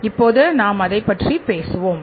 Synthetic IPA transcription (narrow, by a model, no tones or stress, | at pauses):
ɪpːoːðɯnaːmɐðɐɪpːɐʈripeːsɯʋoːm